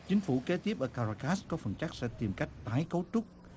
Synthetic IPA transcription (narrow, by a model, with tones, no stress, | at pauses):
t͡ɕï˨˦ŋ̟fṵ˧˩˨ke˨˦t̪i˦˥əp̚ʔəː˧˩kaː˧˩aː˧˩kaː˦˥skɔ˨˦fə˨˩nt͡ɕa˦˥k̚sɛ̰˧˥t̪i˨˩mka˦˥jk̟̚t̪aː˨˦jkə˨˦wt͡ɕ̪ʊ˦˥k͡p̚